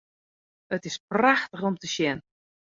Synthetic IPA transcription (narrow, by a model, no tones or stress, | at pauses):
ətɪspraxtəxomtəʃjɛn